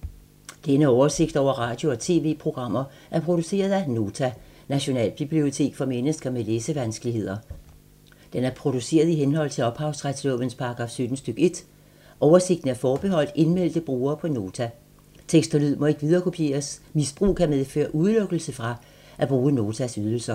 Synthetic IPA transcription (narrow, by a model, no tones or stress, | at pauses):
d̥enəɒʊɐse̝ɡ̥d̥ɒʊ̰ɐʁɑ̈ːd̥jo̝ɒ̽t͡sʰe̝̰ːʋe̝̰ːpʰʁo̝ɡ̥ʁɑ̈m̰ɐ | ʔæɐpʰʁo̝ɾ̥use̝̰ːɐð̞ˠæno̝ːt͡sʰænæɕo̝nɛ̰ːlb̥ib̥lio̝t͡sʰe̝̰ːɡ̥fɒ̽menəsɡ̥ɐmeleːsəʋænsɡ̥əlihe̝ð̞̰ˠɐ | d̥enæɐpʰʁo̝d̥use̝̰ːɐð̞ˠiɦenɦɒ̽l̰t͡sʰe̝ɒ̽b̥hɑ̈ʊsʁad̥slɔ̽ʋən̩spʰɑ̈ɡ̥ʁɑ̈ːfsød̥n̩sd̥øɡ̥e̝d̥ | ʔɒʊɐse̝ɡ̥̚d̥n̩æɐfɒːb̥e̝ɦɒ̽l̰d̥e̝nmel̰d̥əb̥ʁuːɐːpʰɒ̽no̝ːt͡sʰæ | t͡sʰeɡ̥sd̥ɐlyð̰ˠmɒ̽e̝ɡ̥ʋið̞ˠɐːkʰo̝pʰje̝̰ːɐsmisb̥ʁṵːkʰæmeðˠfø̰ːɐʔuðˠløɡ̥l̩səfʁɑ̈ | ʔæb̥ʁuːno̝ːt͡sʰæsyð̞ˠl̩sɐ